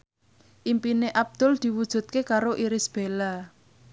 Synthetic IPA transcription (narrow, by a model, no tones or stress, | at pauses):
ʔimpineʔab̚d̪̥ʊ̤ld̪̥i̤wud̥ʒ̥ṳt̪̚kekaɾoʔiɾɪsb̥e̤la